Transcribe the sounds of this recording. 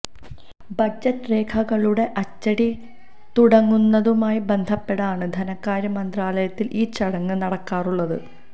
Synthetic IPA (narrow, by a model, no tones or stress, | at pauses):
bɐd͡ʑːɐtːɨre̞ːkʰɐɣɐɭuɽe̞ʔɐt͡ɕːɐɽi | t̪uɽɐŋːunːɐðumaːjibe̞nd̪ʱɐpːe̞ɽɐaːɳɨd̪ʱɐnɐkːaːɾɐmɐnd̪raːlɐjɐt̪ːilʔiːt͡ɕɐɽɐŋːɨnɐɽɐkːaːruɭːɐðɨ̰